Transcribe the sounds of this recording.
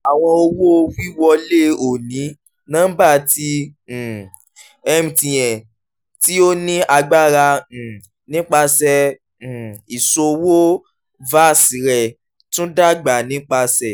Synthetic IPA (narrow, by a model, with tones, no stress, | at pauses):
a˨w̃ɔ̃˧o˧wo˦o˦˧wi˦wɔ˧le˦˨o˨nĩ˨˦ | nãː˦ba˦˨tĩ˧˨ | ɛ˧mĩ˨tĩ˨j̃ɛ̃˨ | ti˦o˦nĩ˦a˧ɡ͡ba˦˨ɾã˧˨ | nĩ˦k͡pa˧sɛ̃˧˨ | i˨so˧wo˦ | va˦˨sĩ˨˦ɾɛ˦˨ | tũ˦da˦˨ɡ͡ba˨nĩ˨˦k͡pa˧sɛ˨